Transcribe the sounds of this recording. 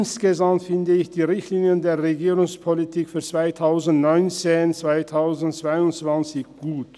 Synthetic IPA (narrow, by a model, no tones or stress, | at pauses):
nsɡ̥əzamtfɪndəɪçd̥iːʁɪçtliːnjəndeːɐʁeɡiːʁʊŋspʰolitʰiːkfyːɐt͡sv̥aɪtʰaʊzn̩tnɔʏnt͡seːnt͡sv̥aɪtʰaʊzn̩tt͡sv̥aɪʊntt͡sv̥ant͡sɪçɡ̥uːt